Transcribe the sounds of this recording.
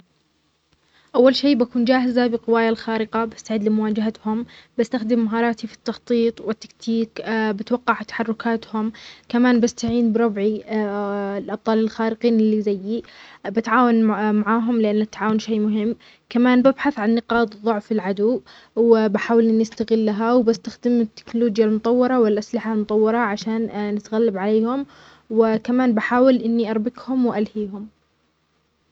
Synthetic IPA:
ʔawːalʃeːʔbakuːnd͡ʒaːɦɪzabɪqɪwaːjalxaːɾɪqabɪst̪aʕid̪lɪmʊwaːd͡ʒaɦat̪hʊmbɪst̪axd̪ɪmːaɦɑːɾˤɑːt̪ifi̥t̪ːɑxt̪ˤiːt̪ˤwɪt̪ːḁkt̪ʰiːkbɪt̪wɑqːɑʕt̪ḁħɑrˤːʊkaːt̪hʊmkamaːnbɪst̪aʕiːnbɾˤɑbʕi | lʔɑb̚t̪ˤɑːlɪlxaːɾɪqiːnɪlːizajːibɪt̪ʕaːwanmaʕaːɦʊmlɪʔanːat̪ːaʕaːwʊnʃeːmʊɦɪmː | kamaːnbabħaθʕanːɪqɑːt̪ðˤʊʕfɪlʕad̪uː | wɪbaħaːwɪlʔɪnːiast̪aɣɪlːaɦawbɪst̪axd̪ɪmɪt̪ːɪ̥knʊluːd͡ʒjalmʊt̪ˤɑwːɑɾˤɑwɪlʔaslɪħalmʊt̪ˤɑwːɑɾˤɑʕaʃaːnnɪt̪ɣalːabʕaleːhʊm | wɪkamaːnbaħaːwɪlʔɪnːiʔɑɾˤbɪkhʊmwʔalhiːɦʊm

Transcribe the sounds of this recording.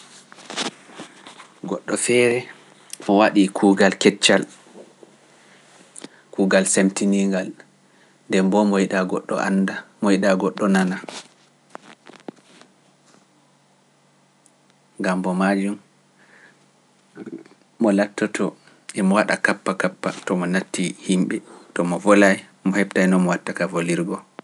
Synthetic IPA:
ɡɔɗːɔfɛɾɛ | mɔwaɗikʰuːɡalkɛt͡ʃːal | kuːɡalsemtiniŋɡal | ndɛmbɔmɔiɗaɡɔɗːɔ̰ʔa̰ndamɔjiɗaɡɔɗːɔnana | ɡambɔmad͡ʒum | ɔlatːɔtʰɔ | ʔɛmɔwaɗa̰kapːakapːa̰tɔmɔnatːihimɓɛtɔmɔvɔlaj | mɔhɛbtajnɔmɔwatːakavoliɾɡɔ

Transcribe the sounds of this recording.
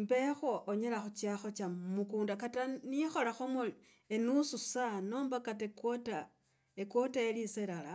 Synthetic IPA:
mbexoʔːɲelaxut͡ʃjaxot͡ʃamukuːndakatanixo̞laxomol | enususano̞ːmbakatekota | ekotaeliselala

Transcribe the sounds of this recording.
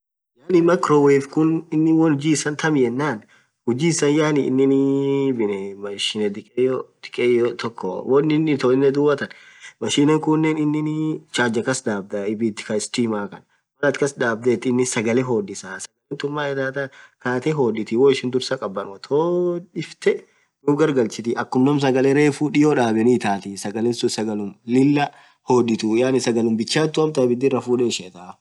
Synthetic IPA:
jaːnɪmɐkɾoːweːfkʊnɪnːɪwɔnhʊd͡ʒiːsɐnt̪ʰɐmɪjɛnːaːn | hʊd͡ʒiːsɐnjaːnɪ̰nːɪnbɪnɛmɐʃɪnɛd̪ɪkʼejɔd̪̥ɪ̥kʼejɔt̪ʰɔkːɔ̰wɔnːɪnːɪt̪ɔɪnːɛd̪ʊwɐt̪ɐn | mɐʃiːnɐŋkʊnːɛnɪnːɪnt͡ʃaːd͡ʒɐkɐsd̪aːb̚d̪ɐɪbit̪ːɪ̥kɐɪst̪iːmaːkɐn | wɐlɐt̪kɐsd̪aːb̚d̪et̪ːɪnːɪsɐɡɐleɦoːdɪsaːsɐɡɐlent̪ʊmːaːɛt̪aːt̪akaːt̪eɦoːᶑɪt̪iwoːɪʃɪnd̪ʊɾsɐkʼɐbːɐnʊɐt̪ʰoːᶑɪft̪ɛ | nʊbɡɐɾɡɐlt͡ʃɪt̪iʔɐkːʊmnɐms̬ɐɡɐlɛɾeːfuːᶑɪjoːᶑaːbɛnɪt̪aːt̪isɐɡɐlɛnsʊsɐɡɐlʊmlɪlːɐ | hoᶑɪt̪ujaːnɪsɐɡɐlʊmbɪt͡ʃːaːt̪ːʊɐmt̪ɐbɪd̪ːɪrɐfuːᶑɛʃɛt̪aː

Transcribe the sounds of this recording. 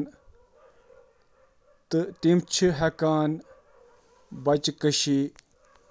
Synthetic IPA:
t̪ɨt̪imt͡ʃʰɨɦɐkaːn | bɐt͡ʃkəɕi

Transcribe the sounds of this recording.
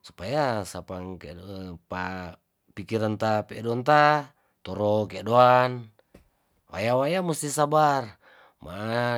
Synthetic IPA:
su̥pajasapaŋkɛ̰pa | pikiɾant̪apɛdɔant̪a | t̪ɔɾokedoan | wa̰jawajamust̪isabar | ma̰ʔ

